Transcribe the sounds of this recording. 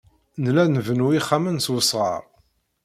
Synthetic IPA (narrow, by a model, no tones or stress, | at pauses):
nlænvənuiχːamənswəsˤʁɑ̰ɾˤ